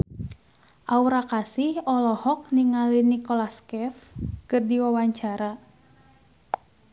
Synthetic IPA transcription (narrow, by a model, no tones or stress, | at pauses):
ʔauɾakasihɔlɔhɔk̚niŋalinikɔlaskɛfkɨrdiwawaɲt͡ʃaɾa